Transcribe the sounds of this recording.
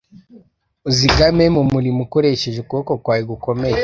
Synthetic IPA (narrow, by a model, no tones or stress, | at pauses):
oziɡamemumuɾimukoɾeʃeʒekuokokwaːjiɡukomej